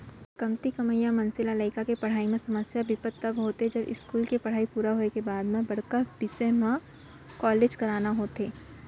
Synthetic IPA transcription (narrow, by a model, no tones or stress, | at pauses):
kɐmt̪ikɐməjamɐ̃nsɪlaləɪkakepɐɽ̤aːimẽsɐməsjabɪpət̪ːɐbɦoːt̪eɦɛd͡ʒɐbɪ̰skuːlkepɐɽ̤aːipuːɾaɦoːekebaːd̪mẽbɐɽ̤kəbɪseɦmã | kɔːleːd͡ʒkɐɾaːnaɦoːt̪eː